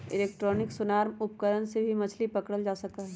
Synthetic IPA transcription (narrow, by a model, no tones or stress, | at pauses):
ɪleːk̚ʈɾɔːnɪksʊnaːɾmʊpkəɾənsebʱimɐt͡ʃʰlipɐkɽəld͡ʒaːsɐk̚t̪aɦɛː